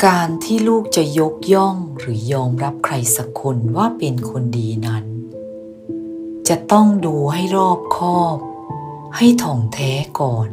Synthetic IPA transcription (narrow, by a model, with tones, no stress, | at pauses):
kaː˧nt̪ʰiː˥˩luː˥˩k̚t͡ɕa˨˩jo˦˥k̚jɔ˥˩ŋɾɯː˩˦jɔː˧mɾa˦˥p̚kʰɾa˧jsa˧kʰo˧nwaː˥˩pe˧nkʰo˧ndiː˧na˦˥n | t͡ɕa˨˩t̪ɔ˥˩ŋduː˧ɦa˥˩jɾɔː˥˩p̚kʰɔː˥˩p̚ | ha˥˩jt̪ʰɔː˨˩˦ŋt̪ʰɛː˦˥kɔː˨˩n